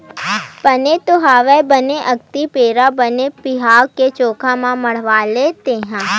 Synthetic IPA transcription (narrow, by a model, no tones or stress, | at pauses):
pɐnet̪oɦaːʋɛbɐneʔɐɡt̪ipeːɾabɐnepɪɦaːɾket͡ʃoːkʰãmãmɐɽ̤ʋaleːt̪eɦɛ̃ː